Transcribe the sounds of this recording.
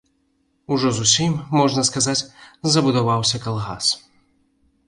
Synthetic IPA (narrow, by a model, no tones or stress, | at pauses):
uʐɔzusʲimːɔʐnɐskazat͡sʲzɐbud̪avawsʲɐkalˠɣa̰s